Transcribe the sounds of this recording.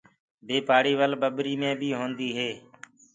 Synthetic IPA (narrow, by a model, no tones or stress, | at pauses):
beːpaːɽiːʋəlbəɓɾiːmẽːbʱiːɦõːnd̪iːɦeː